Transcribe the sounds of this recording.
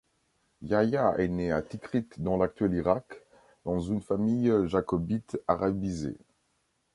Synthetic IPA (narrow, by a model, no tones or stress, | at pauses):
jajaɛneat̪ikχit̪d̪ɑ̃lak̚t̪ɥɛliʁak | d̪̥ɑ̃zynfamijʒakɔbit̪aʁabizḛ